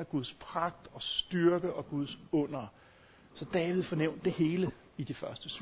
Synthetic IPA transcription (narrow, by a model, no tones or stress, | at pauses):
æɡ̥uð̞ˠspʰʁɑ̈ɡ̥̚d̥ɒ̽sd̥yɐɡ̥əʔɒ̽ɡ̥uð̞ˠsɔ̽n̰ɐ | sɒ̽d̥ɛːʋið̞̩̰ˠfɒ̽neʊ̰nd̥ːe̝he̝ːlə | id̥ifɶɐsd̥əs